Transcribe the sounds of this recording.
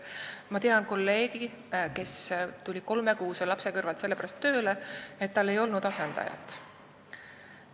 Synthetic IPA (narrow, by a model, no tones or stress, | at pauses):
mɑt̪eɑnko̞lːe̞ːɡ̥i | ke̞st̪ulʲiko̞lme̞kuːselɑpse̞kɤrvɑlt̪se̞lːeæɾɑst̪ːø̞ːleet̪ːɑlːe̞jo̞lnud̪̥ɑse̞nd̪̥ɑ̰jɑ̰t̪ːˑ